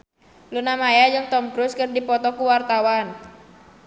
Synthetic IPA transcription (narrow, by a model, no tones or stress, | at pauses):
lunamajad͡ʒɨŋt̪ɔmkɾuskərdipɔt̪ɔkuwart̪awan